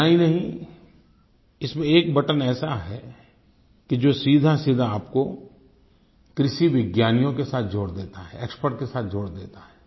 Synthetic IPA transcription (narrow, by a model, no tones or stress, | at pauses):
aɦĩnɐɦĩ | ɪsmẽeːk̚bɐʈənɛːsaɦɛ | kid͡ʒoːsiːd̪ʱasiːd̪ʱaːpko | kɾɪʃiʋɪɡjaːnijõkesaːt̪̚ʰd͡ʒʱoːɽd̪eːt̪aɦɛeːkspəɾʈ̚kesaːt̪̚ʰd͡ʒʱoːɽd̪eːt̪aɦɛː